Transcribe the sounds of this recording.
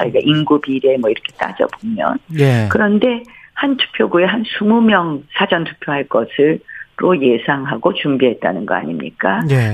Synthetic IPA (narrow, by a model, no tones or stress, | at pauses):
ʌ̰iɡaʔinɡubiɾe̞mwʌiɾʌkʰe̞t͈a̰d͡ʑʌ̰bomjʌ̰nekɯɾʌnde̞hantʰu̥pʰjoɡue̞ɦansʰumumjʌŋsʰad͡ʑʌntʰu̥pʰjoɦaɭk͈ʌsʰɯɾoje̞sʰaŋɦaɡot͡ɕumbiɦe̞t̚t͈a̰nɯnɡʌ̰a̰ɲimɲḭk͈a